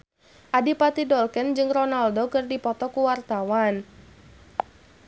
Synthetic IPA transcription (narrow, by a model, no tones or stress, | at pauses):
ʔadipat̪idɔlkɛnd͡ʒɨŋrɔnaldokɨrdipɔt̪ɔkuwart̪awan